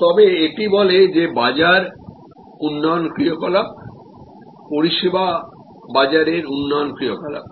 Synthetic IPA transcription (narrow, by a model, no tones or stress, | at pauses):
t̪ɔbeeʈibɔled͡ʑebad͡ʑaɾ | unːɔjonkɾiokɔla | poɾiʃeba | bad͡ʑaɾeɾunːɔjonkɾijokɔla̰